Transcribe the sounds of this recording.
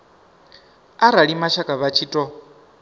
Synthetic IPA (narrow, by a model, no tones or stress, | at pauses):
aɾaɺimaʃakʼaβat͡ʃʰiːtʼɔ